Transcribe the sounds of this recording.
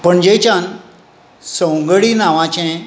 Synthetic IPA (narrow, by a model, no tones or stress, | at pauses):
pəɳd͡ʑet͡ɕãn | sə̃wŋɡɭiːnaʋãt͡ɕɛ̃